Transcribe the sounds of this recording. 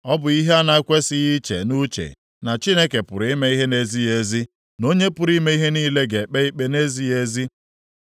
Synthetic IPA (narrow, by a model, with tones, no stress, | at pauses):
ɔ˦bʊ˨i˦ɦe˦a˦na˦kʷe˦sɪ˦ɣi˦t͡ʃḛ˨nu˦t͡ʃḛ˨ | na˨t͡ʃi˦ne˦ke˨pʊ̰˨ɾi˦me˦i˦ɦe˦ne˦zi˦e˦zi˦ | no˦ɲe˦pʊ˨ɾi˦me˦i˦ɦe˦niː˦le˦ɡe˨k͡pe˦i˦k͡pe˦ne˦zi˦e˦zi˦